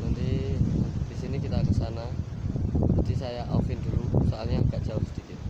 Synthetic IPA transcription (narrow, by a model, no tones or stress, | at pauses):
nant̪i | d̥isinikit̪akəsana | d͡ʒidisajaʔafɪnd̪uɾusaʔalɲaəkaʔd͡ʒaʊhsədikɪt̪̚